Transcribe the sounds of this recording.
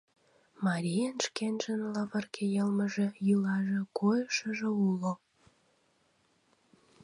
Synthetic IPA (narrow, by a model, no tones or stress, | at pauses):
mɑɾʲijənʃkenʒənlɑβərkʰejəlməʒĕjylɑʒĕkojəʃəʒĕulo